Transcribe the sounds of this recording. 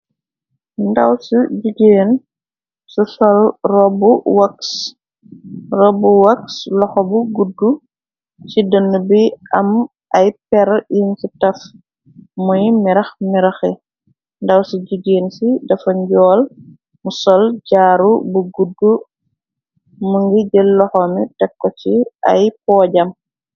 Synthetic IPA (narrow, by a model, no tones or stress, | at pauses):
ndɐwsuɟuɡeːn | susɔlrɔbuwɐks | rɔbuwɐkslɔxɔbuɡudːu | sidənːubiɐm | ɐjpɛɾjinsitɐf | mujmiɾɐxmiɾɐxɛ | ndɐwsiɟiɡeːnsidɐfɐɲɟɔːl | musɔlɟaːɾubuɡudːu | muŋɡiɟəlɔxɔmitɛkːɔt͡ʃiɐ̰jpɔːɟɐm